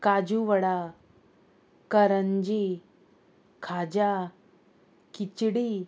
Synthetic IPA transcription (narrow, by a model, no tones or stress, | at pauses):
kad͡ʑuʋəɽa | kəɾəɲd͡ʑi | kʰad͡ʑa | kit͡ɕɽi